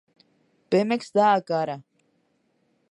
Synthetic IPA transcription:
pɛmɛksd̪aːkaɾa

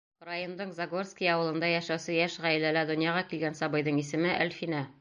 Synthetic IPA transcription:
rɑjond̪ɤɴzaɡorskijɒwɤ̆lˠɤ̆nd̪ɑjæʃæwsɘjæʃʁæjɘ̆lælæd̪ŏnjɑʁɑkilɡænsɒbɤ̆jðɤɴisɘ̆mɘʔæ̰lʲfinæ

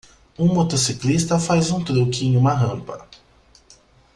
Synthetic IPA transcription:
ũmot̪osiklist̪ɐfajzũt̪ɾowkĩɲũmɐɦɐ̃pɐ

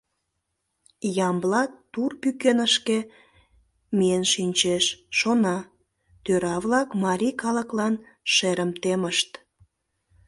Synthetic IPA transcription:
jɑmblɑt̪urpykenəʃke | miənʃinʲt͡ɕeʃːonɑ | t̪øɾɑβlɑkmɑɾʲikɑlə̆klɑn | ʃeɾəmt̪eməʃt̪

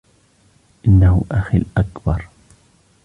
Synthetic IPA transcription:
ʔɪnːahʊʔaxilʔakbɑɾˤ

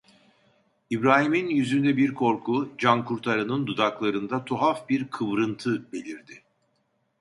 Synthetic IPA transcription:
ibɾaːɦiminjyzynd̪ɛbiɾkʰo̞ɾkʰud͡ʒankʰuɾt̪ʰaɾɯnɯnd̪ud̪aklˠaɾɯnd̪at̪ʰoɦafbiɾkʰɯβɾɯnt̪ʰɯbe̞lʲiɾd̪ɪ

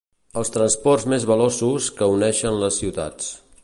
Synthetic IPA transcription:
əlˠst̪ɾənspɔrzmezβəlosuskəunɛʃənləsːiwt̪a̰t͡s

